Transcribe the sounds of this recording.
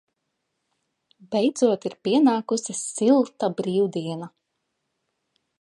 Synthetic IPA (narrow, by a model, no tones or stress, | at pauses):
bɛjd̪z̥uɔt̪iɾpʲiɛnaːkusisilˠt̪abɾiːwd̪iɛna